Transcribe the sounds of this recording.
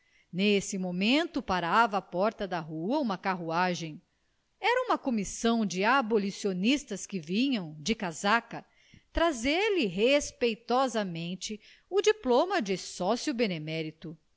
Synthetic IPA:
nesɪmomẽnt̪ʊpaɾavɐːpɔɾt̪ɐd̪ɐɦuɐũmɐkaɦuaʒẽj̃ | ɛɾɐũmɐkomisɐ̃w̃d͡ʒɪabolisionist̪ɐskɪvĩɲɐ̃w̃d͡ʒɪkazakɐ | t̪ɾazeɾlɪɦespejt̪ɔzɐmẽnt͡ʃɪ | ʊd͡ʒiplõmɐd͡ʒɪsɔsiubenemɛɾit̪u

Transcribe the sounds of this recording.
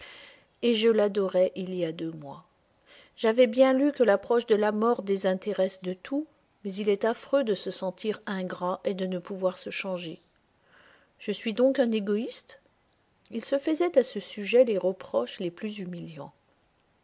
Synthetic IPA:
eʒəlad̪ɔʁɛʔiljad̪ømwa | ʒ̥avɛbjɛ̃lykəlapχɔʃd̪əlamɔʁd̪ezɛ̃t̪eʁɛsd̪ət̪ʰu | mɛzilɛt̪afχød̪əsəsɑ̃t̪ʰiʁɛ̃ɡʁaʔed̪ənəpuvwaʁsəʃɑ̃ʒe | ʒ̥əsɥid̪ɔ̃kɛ̃neɡɔist̪ | ilsəfəzɛt̪asəsyʒɛleʁəpχɔʃleplyzymiljɑ̃

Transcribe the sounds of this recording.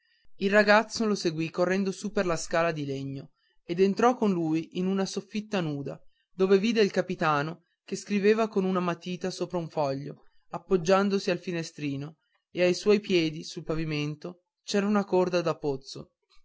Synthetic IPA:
ilraɡat̪sːoloseɡwikorːɛnd̪osupːerlaskaːlad̪ileɲːo | ed̪ent̪ɾɔkːonluːjʔinunasofːit̪ːanuːd̪a | d̪oːveviːd̪eilkapit̪aːno | keskɾiveːvakonunamat̪iːt̪asoːpɾauɱfɔʎːo̰ | apːod͡ʒːand̪osialfinest̪ɾiːno | eajswɔjpjɛːd̪isulpaviment̪o | t͡ʃɛːɾaunakord̪ad̪apːot̪sːo̰

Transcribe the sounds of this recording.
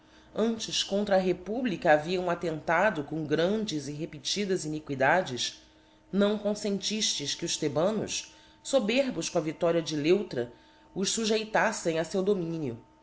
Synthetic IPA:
ɐ̃nt͡ʃɪʃkõnt̪ɾɐɦepublikɐːviɐ̃w̃at̪ẽnt̪ad̪ʊkõw̃ɡɾɐ̃nd͡ʒɪziɦepit͡ʃid̪ɐzinikwid̪ad͡ʒɪʃ | nɐ̃w̃kõsẽnt͡ʃiʃt͡ʃɪskɪʊʃt̪ebɐ̃nʊ̰ʃ | sobeɾbʊʃkõɐvit̪ɔɾiɐd͡ʒɪlewt̪ɾɐ | ʊʃsuʒejt̪asẽj̃ɐsewd̪omĩnijʊ

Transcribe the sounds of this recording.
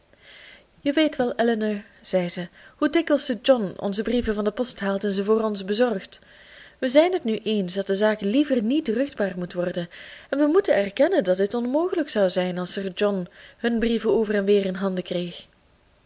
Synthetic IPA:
jəʋeːjtʋɛlˠɛləna | z̥ɛjzəhudɪkəlˠsəd͡ʒɔnɔ̰nzəbrivəvɑndəpɔstɦaːlˠtɛnzəvoːrɔnzbəzɔrχt | ʋəzɛjnɦətnyʔensdɑt̚dəzaːklivərnitrʏxd̚baːrmutʋɔrdənɛnʋəmutənɛrkɛnəndɑt̚dɪtɔnmoːχələksɑwzɛjnɑlˠsərd͡ʒɔnhɵnbrivəoːvərɛnʋɪːrɪnɦɑndəkreːx

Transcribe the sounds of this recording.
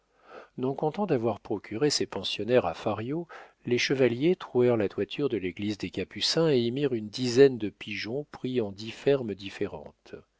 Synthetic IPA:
nɔ̃kɔ̃t̪ɑ̃d̪avwaʁpχɔkʲʰyʁesepɑ̃sjɔnɛʁafaʁjoleʃəvaljet̪χuɛʁlat̪wat̪ʰyʁd̪əleɡlizd̪ekapysɛ̃eimiʁynd̪izɛnd̪əpiʒɔ̃pχiɑ̃d̪ifɛʁmd̪ifeʁɑ̰̃t̪

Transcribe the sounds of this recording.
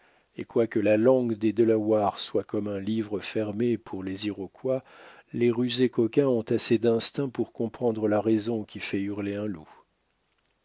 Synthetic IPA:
ḛkwakəlalɑ̃ɡd̪ed̪əlawaʁswakɔmɛ̃livʁəfɛʁmepʰuʁleziʁɔkwaleʁyzekɔkʲɛ̃ɔ̃t̪ased̪ɛ̃st̪ɛ̃puʁkɔ̃pχɑ̃d̪ʁəlaʁɛzɔ̃kʲifɛyʁleɛ̃lu

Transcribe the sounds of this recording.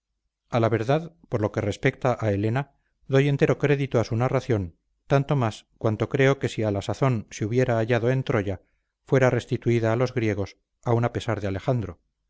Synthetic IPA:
alaβ̞e̞ɾðað | poɾlo̞ke̞re̞spe̞kt̪aʔae̞le̞na | d̪o̞je̞nt̪e̞ɾo̞kɾe̞ðit̪oasunaraθjo̞n | t̪ant̪o̞maskwant̪o̞kɾe̞o̞ke̞sialasaθo̞nseuβje̞ɾaːʝaðo̞e̞nt̪ɾo̞ʝa | fwe̞ɾare̞st̪it̪uiðaːlo̞zɣɾje̞ɣ̞o̞s | aunape̞saɾðeale̞xand̪ɾo̞

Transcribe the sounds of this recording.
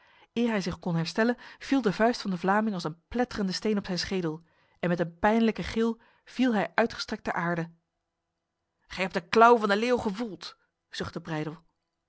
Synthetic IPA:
ɪːɹɦɛjzɪχkɔnɦɛɹstɛlənv̥ilˠdəvœɥstfɑndəvlaːmɪŋɑlˠsənplɛtərəndəstejnɔpsɛjnsχejdəlˠ | ɛnmɛtənpɛjnləkəχɪlˠ | v̥ilˠɦɛjʔœɥtχəstrɛk̚tdəɹʔaːɹdə | χɛjɦɛp̚dəklɔwvɑndəleːwχəvulˠt | z̥ɵχtəbrɛjdəlˠ

